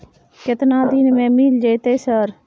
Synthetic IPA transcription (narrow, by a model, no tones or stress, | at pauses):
kɪt̪nãːd̪iːnmẽːmiːld͡ʒeit̪eːsəɾ